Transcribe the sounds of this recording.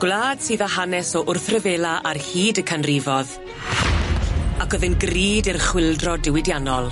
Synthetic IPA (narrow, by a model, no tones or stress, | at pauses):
ɡ̥lˠaːd̥siːðaɦanɛsɔʔʊrθrəveːlˠaʔarhiːdəkʰanrivɔð | aɡɔðɪnɡriːdɪrχwɪlˠdrɔdɪwɪdjanɔlˠ